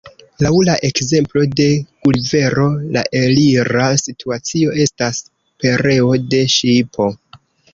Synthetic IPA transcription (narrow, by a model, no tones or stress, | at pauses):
lawlaʔe̞kze̞mplo̞de̞ɡ̥ulve̞ɾo̞la̰ʔe̞liɾasitʰuat͡sio̞e̞stas | pe̞ɾe̞o̞de̞ʃipʰo̞